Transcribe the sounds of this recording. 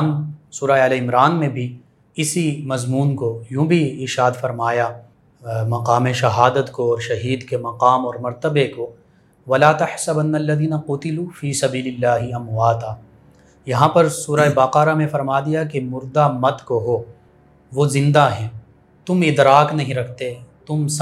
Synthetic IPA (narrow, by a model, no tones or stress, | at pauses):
nsuːɾaeɐleɪmɾaːnmẽbʱi | ɪsimɐzmuːnkojũːbʱiɪɾʃaːd̪fɐɾmaːja | mɐqaːmeʃɐɦaːd̪ət̪koɔːɾʃɐɦiːd̪kemɐqaːmɔːɾmɐɾt̪əbeko | ʋɐlaːt̪ɐħsɐbɐnːɐlːɐðiːnɐqʊt̪ɪluːfiːsɐbiːlɪlːaːɦɪɐmwaːt̪aː | jɐɦãpɐɾsuːɾaebaːqaːɾamẽfɐɾmaːd̪ijakemʊɾd̪amɐd̪koɦoː | ʋozɪ̃nd̪aɦɛ̃ː | t̪ʊmɪd̪ɾaːknɐɦĩɾɐkʰt̪et̪ʊms